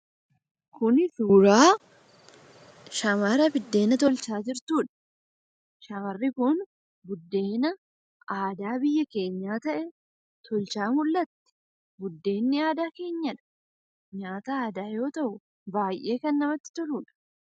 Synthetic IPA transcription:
kʊnɪsʊɾaː | ʃɐmɐɾɐbɪd̪ːe̞ːnɐt̪̬ɔlt͡ʃaːd͡ʒɪɾt̪uːᶑɐ̥ | ʃɐmɐrːɪkʊn | bʊd̪ːe̞ːnɐ | aːd̪aːbɪjːɐke̞ːɲːaːt̪ɐʔɛ | t̪ʰɔlt͡ʃaːmʊlːɐt̪ːɛ̥ | bʊd̪ːe̞ːnːɪaːd̪aːke̞ːɲːɐᶑɐ̥ | ɲaːt̪ɐaːd̪aːjo̞ːt̪ɐʔʊ | baːjʔe̞ːkɐnːɐmɐt̪ːɪ̥t̪ɔɾuːᶑɐ̥

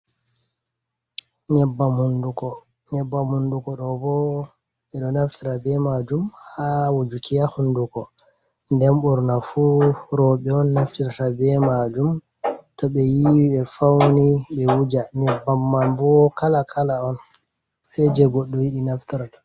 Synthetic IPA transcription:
nɛbːamhundukɔ | nɛbːamundukɔɗɔbɔ | ɓɛɗɔnaftiɾabɛmad͡ʒumhhawod͡ʒukijahundukɔ | ndɛmɓɔɾnafuɾɔɓɛɔnːaftiɾatabɛmad͡ʒum | tɔɓɛjiwiɓɛfawniɓɛwud͡ʒanɛbːamːambɔkalakʰalaɔn | sɛd͡ʒɛɡɔɗːuwiɗinaftiɾaɗɔ

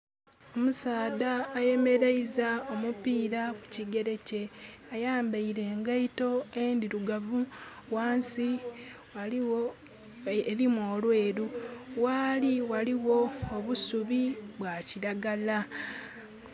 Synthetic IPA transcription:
o̞musaːdaːje̞me̞ɾeizaomupiːɾaku̥ciɡe̞ɾe̞ce̞ajaːmbaiɾe̞ːŋɡaito̞endiɾuɡavuwaːnsi | a | ɾimoːlwe̞ːɾuwaliwaliwo̞ːβusuβiβwaciɾaɡala

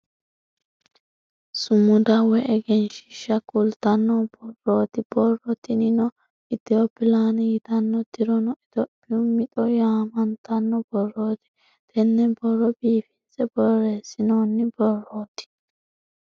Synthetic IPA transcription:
sʊmːʊd̪ɐwɛʔɛɡɛnʃɪ̥ʃːɐkʼʊlt̪ɐnːɔb̥ɔrːoːt̪ɪb̥ɔrːɔt̪ɪnɪnɔ | ɪt̪ɪopɪlaːnɐjɪt̪ɐnːɔd̪ɪɾɔnɔɪd̪ɔpːɪjʊmɪt̪ʼɔjaːmɐnt̪ɐnːɔb̥ɔrːoːt̪ɪ̥ | t̪ɛnːɛbɔrːɔbiːfɪnt͡sʼɛbɔreːsɪnoːnːɪbɔrːoːt̪ɪ̥

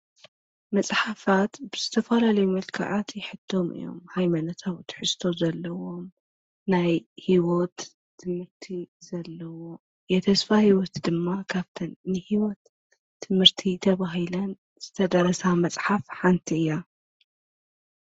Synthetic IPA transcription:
mɐt͡sʼħafat̪bɨzɨt̪ʰɐfɐlalɐjumɐlkʰa̰ʕat̪jɛħɨt̪ʰːo̞mɨ̰jːo̰mhajmanɐt̪ʰawt̪ʰħɨst̪ʰo̞zɐlːɐwo̞m | najhiwot̪ʰː | ɨmhɨɾt̪ʰiz̥ɐlːɐwo̞ | jɛt̪ʰɐsfahiwot̪d̪ɨmːakʰaβt̪ʰɐnːɨhiwɔt̪ʰː | ɨmhɨɾt̪ʰit̪ʰɐβaɦɨlɐn | z̥ɨt̪ʰɐd̪ɐɾɐsamɐt͡sʼħafħant̪ʰiɨjːa

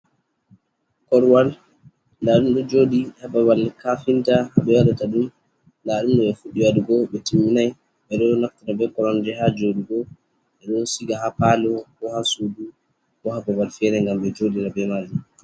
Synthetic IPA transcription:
kɔɾwal | laɗumɗɔd͡ʒoːdihababalkafintahaɓɛwadataɗum | laɗumɗɔɛfuɗiwaduɡɔɓɛtimːinaj | ɓɛɗɔnaftatabɛkɔɾɔnd͡ʒɛɦad͡ʒoɗiɡɔ | ɓɛɗɔsiɡahapaːlɔkɔhasuːdu | kɔhababalfɛɾɛŋɡamɓɛd͡ʒodiɾabɛmaɾd͡ʒɛ

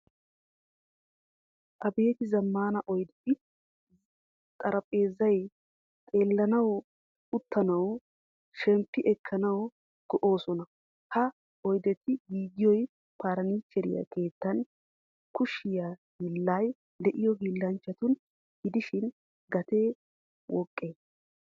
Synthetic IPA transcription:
ʔɐbeːt̪ɪzɐmːaːnɐʔɔjd̪ɛt̪ɪ | t̪ʼɐɾɐpʼe̞ːzːɐj | t̪ʼe̞ːlːɐnɐw | ʊt̪ːɐnɐw | ʃɛmpːɪʔɛkʰːɐnɐw | ɡ̥ɔʔo̞ːsɔnɐ | hɐ | ɔjd̪ɛt̪ːɪɡiːɡɪjɔj | paːɾɐniːt͡ʃːɛɾɪ̰jɐ̰ke̞ːt̪ːɐn | kʊʃɪjahɪlːaːj | d̪ɛʔɪjɔɡɪlːɐnt͡ʃːɐt̪ʊn | ɡɪd̪ɪʃɪn | ɡɐt̪e̞ː | wɔkʼːeː

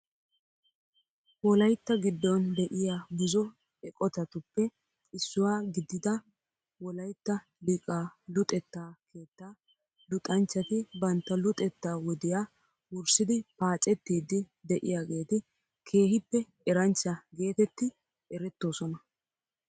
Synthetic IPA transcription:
wɔlɐjt̪ːɐɡɪd̪ːɔnd̪ɛʔɪjaːɡɪzɔ | ɛkʼɔt̪ɐt̪ʊpːɛ | ɪsːʊwaːɡɪd̪ːɪd̪ɐ | wɔlɐjt̪ːɐ | lɪkʼaːlʊt̪ʼɛt̪ːaːkʰe̞ːt̪ːaː | lʊt̪ʼɐnt͡ʃːɐt̪ɪbɐnt̪ːɐlʊt̪ʼɛt̪ːaːwɔd̪ɪjaː | wʊɾsɪd̪ɪpaːt͡ʃʼɛt̪ːiːd̪ɪ | d̪ɛʔɪjaːɡe̞ːt̪ɪ | kʰe̞ːhɪpːɛ | ɛɾɐnt͡ʃːɐɡe̞ːt̪ɛt̪ːɪ | ɛɾɛt̪ːo̞ːsɔnɐ

